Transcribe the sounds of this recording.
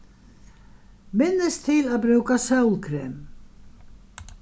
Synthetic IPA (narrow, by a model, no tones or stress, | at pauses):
mɪnːɪst̪ʰɪlaðbɾʉːkasœwlkʰɾeːm